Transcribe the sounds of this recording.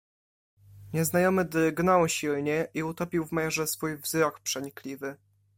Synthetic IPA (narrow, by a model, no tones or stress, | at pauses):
ɲɛznajɔmɘd̪ɾɘɡnawɕilɲɛʔiut̪ɔpʲiwvmajɛʐɛsfujvzɾɔkpʂɛɲiklʲivɘ